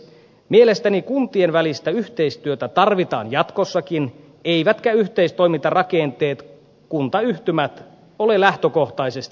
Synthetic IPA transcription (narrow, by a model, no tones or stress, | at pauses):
mie̞le̞st̪ænikunt̪ienʋælist̪æyht̪e̞ist̪yøt̪æt̪ɑrʋit̪ɑ̰ːnjɑt̪kosːɑkin | e̞jʋæt̪kæyht̪e̞ist̪o̞jmit̪ɑrɑke̞nt̪e̞ːt̪ | kunt̪ɑyht̪ymæt̪ | o̞lelæht̪øko̞ht̪ɑjsest̪i̥